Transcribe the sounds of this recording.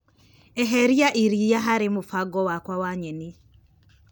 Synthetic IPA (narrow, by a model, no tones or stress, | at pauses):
ɛɦɛɾiaʔiɾijaɦaɾɪmʊfaɡɔwakwawaɲɛni